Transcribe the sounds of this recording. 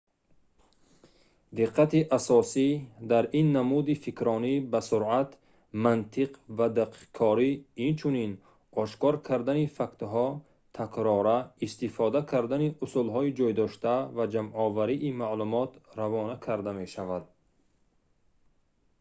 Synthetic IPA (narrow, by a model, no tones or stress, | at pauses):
d̪iqʰːat̪iʔasɔsid̪aɾinːamud̪ifikɾɔnibasuɾat̪ | mant̪ʰiqʰvad̪aqʰi̥qkʰːɔɾiint͡ʃʰunin | ɔʃkɔɾkʰaɾd̪anifakt̪ɦɔ | t̪ʰakʰɾɔɾaist̪ifɔd̪akʰaɾd̪aniʔusulɦɔid͡ʒɔjd̪ɔʃt̪avad͡ʒamɔvaɾiʔimaʕlumɔt̪ɾavɔnakʰaɾd̪ame̞ʃavad̪̚